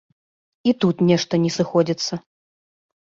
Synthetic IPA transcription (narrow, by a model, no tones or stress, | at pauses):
it̪ut̪nʲɛʂt̪ɐnʲɛsɨxɔd͡zʲit̪sːɐ